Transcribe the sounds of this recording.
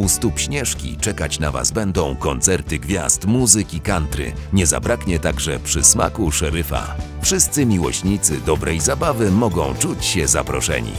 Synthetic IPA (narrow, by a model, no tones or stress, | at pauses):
ust̪upɕɲɛʂkʲḭt͡ʂɛkat͡ɕnava̰zbɛnd̪ɔ̃w̃kɔnt̪sɛɾt̪ɘɡvʲja̰st̪muzɘkʲikant̪ɾɘ̰ | ɲɛza̰bɾakɲɛt̪aɡʐɛpʂɘsma̰kuʂɛɾɘfa̰ | fʂɘst̪sɘmʲiwɔ̰ɕɲit̪sɘd̪ɔbɾʔɛjzabavɘmɔɡɔ̃w̃t͡ʂut͡ɕɕɛza̰pɾɔ̰ʂɛ̰ɲḭ